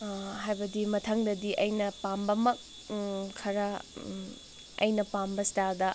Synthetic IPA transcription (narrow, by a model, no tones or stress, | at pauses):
ɦajbɐdimɐtʰɐŋdɐdiʔɐjnɐpambɐmɐk̚ | kʰːɐɾɐ | ɐ̰jnɐpambɐstadɐ